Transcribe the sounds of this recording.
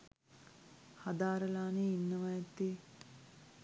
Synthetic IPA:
had̪aːɾəlaːneinːəʋajɐt̪ːe

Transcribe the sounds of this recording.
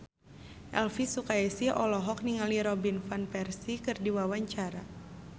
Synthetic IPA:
ʔɛlfisukaɛsiʔɔlɔɦɔk̚niŋaliɾɔbinfanpɛrsikɨrdiwawaɲt͡ʃaɾa

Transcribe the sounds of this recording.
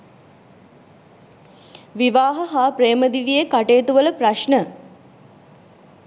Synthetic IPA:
ʋiʋaːɦəɦaːpɾeːməd̪iʋijekaʈeːt̪uʋələpraʃɳə

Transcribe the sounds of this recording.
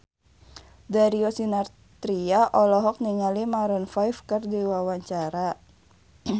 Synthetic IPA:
daɾiɔsinar | t̪ɾiaʔɔlɔɦɔk̚niŋalimaɾɔnfajfkɨrdiwawaɲt͡ʃaɾa

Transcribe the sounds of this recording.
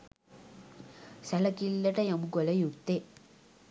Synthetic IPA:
sɐlɐkilːɐʈɐjɐmuɡɔlɐjukt̪e

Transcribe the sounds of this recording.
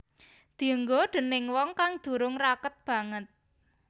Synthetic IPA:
d̪̥i̤əŋɡoɖ̪̥ə̤nɪŋwɔŋkaŋd̪̥ṳɾʊŋrakət̪̚b̥ä̤ŋət̪̚

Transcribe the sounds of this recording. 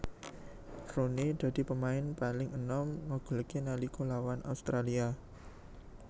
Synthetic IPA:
ronid̪̥ä̤d̪̥i̤pəmaɪnpalɪŋənɔmŋoɡ̥ə̤ləkenalikolawanʔa̰ust̪ɾalia

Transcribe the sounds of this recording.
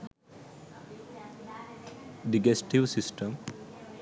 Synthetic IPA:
ɖiɡesʈiʋsisʈə̃m

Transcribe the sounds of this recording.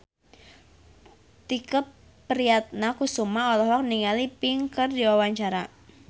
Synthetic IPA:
t̪ikəpː | əɾiat̪̚nakusumaɔlɔɦɔk̚niŋalipɪŋkərdiwawaɲt͡ʃaɾa

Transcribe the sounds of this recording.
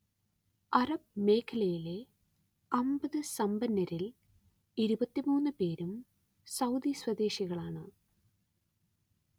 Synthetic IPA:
ɐrɐb̚me̞ːkʰːɐlɐjile̞ | ɐmbɐðɨsɐmbɐnːɐɾil | iɾubɐt̪ːimuːnːɨpe̞ːɾum | sɐwd̪iswɐd̪e̞ːɕiɣɐɭaːɳɨ

